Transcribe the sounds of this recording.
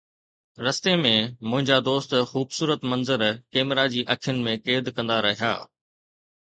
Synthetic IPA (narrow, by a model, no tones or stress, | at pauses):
ɾɐst̪emẽmʊ̃ɦɪ̃ɲd͡ʑad̪oːst̪xuːbsuːɾət̪mɐnzəɾkeːmɾad͡ʑiːʔɐkʰjʊnɪ̆mẽkeːd̪kɐ̃nd̪aɾɐɦija̰ː